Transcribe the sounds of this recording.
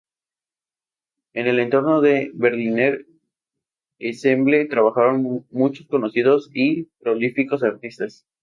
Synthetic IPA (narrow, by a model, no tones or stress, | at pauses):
ene̞le̞nt̪o̞ɾno̞ðe̞βe̞ɾlineɾ | esemblet̪ɾaβaxaɾo̞nmut͡ʃosko̞no̞siðo̞sipɾo̞lifiko̞s̬aɾt̪ist̪as